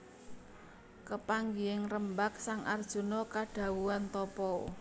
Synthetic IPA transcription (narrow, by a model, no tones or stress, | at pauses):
kəpaŋɡiɪŋrəmbak̚saŋʔard̥ʒ̥ṳnɔkaɖ̥ä̤wuant̪ɔpɔ